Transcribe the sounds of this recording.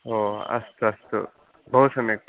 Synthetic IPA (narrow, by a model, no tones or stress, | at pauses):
oːɐ̰st̪uɐst̪ṵ | bʱɐɦusɐmek̚ʈ̪